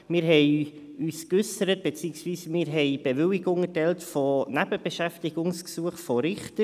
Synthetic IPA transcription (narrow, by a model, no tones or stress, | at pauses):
mɪːɾɦɛɪ | yːskʏsəɾət̚b̥et͡siːəŋsviːsmɪːɾɦɛɪb̥eʋʏlɪɡʊŋətɛltfɔnæbəb̥eʃæftɪɡ̥ʊŋsksuəχfɔɾɪχtə